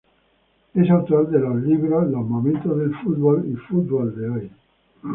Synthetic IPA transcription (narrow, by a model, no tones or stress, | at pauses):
esawt̪uald̪eloliβɾolomomẽnt̪oðelfut̪bolifut̪̚bold̪eɔj